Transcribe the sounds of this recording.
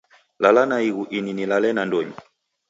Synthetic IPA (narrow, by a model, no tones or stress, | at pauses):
lalanaiɣuʔininilalɛnandɔɲi